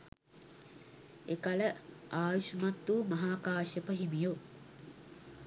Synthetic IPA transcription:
ekalə | aːʋiʃmat̪ːumɐɦaːkaːɕəpəɦimijo

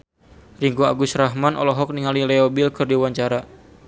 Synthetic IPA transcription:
riŋɡua̰ɡusraɦmanɔ̰lɔɦɔk̚niŋalilɛɔbilkʰɨrdiwaɲt͡ʃaɾa

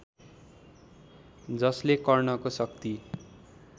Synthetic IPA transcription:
d͡zʌslekʌrnʌkosʌk̚t̪i

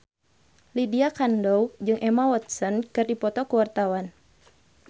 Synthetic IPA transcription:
lidiakandɔwd͡ʒɨŋʔɛmawɔt̪̚sɔnkɨrdipɔt̪ɔkəwart̪awan

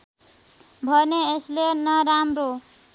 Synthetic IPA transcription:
bʱʌneeslenʌɾamɾo

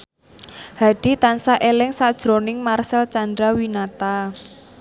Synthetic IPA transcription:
ha̤ɖ̥it̪ansaʔelɪŋsad̥ʒ̥ɾonɪŋmarsəlt͡ʃand̪ɾawinat̪a

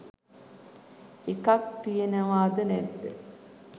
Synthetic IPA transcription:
ekak̚t̪ijenəʋaːd̪ənɛt̪ːə

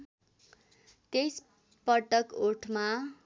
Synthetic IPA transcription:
t̪es | pʌʈʌkoʈʰma

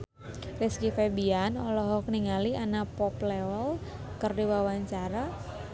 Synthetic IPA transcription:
riskifɛbianɔlɔɦɔk̚niŋalianapɔpleɔl | kərdiwawaɲt͡ʃaɾa

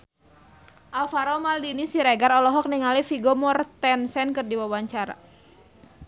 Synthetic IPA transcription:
ʔalfaɾɔmaldinisiɾɛɡaɾɔlɔɦɔk̚niŋalifiɡɔmɔrt̪ɛnsɛnkɨrdiwawaɲt͡ʃaɾa̰

